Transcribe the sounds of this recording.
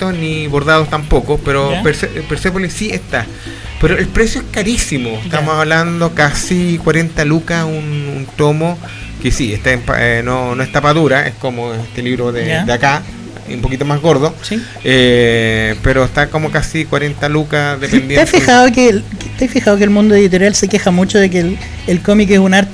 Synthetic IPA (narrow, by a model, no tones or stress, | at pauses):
t̪oniβoɾðaðost̪ampokopeɾopeɾsepeɾsepolisieht̪a | peɾoelpɾesjoeskaɾisimoet̪amosaβland̪okasikwaɾe̞nt̪alukasunṵnt̪omo | kesieht̪aempa̰enonoeht̪apaðuɾaḛskomoest̪eliβɾoðed̪eaka | umpo̞kit̪omazɣoɾðosi | e | peɾoest̪akomokasikwaɾent̪alukaðepend̪jenafixaokelkt̪ajfixaokelmũnd̪oeit̪̬oɾjalsekexamut͡ʃoðek̬el | elkomikesunaɾt̪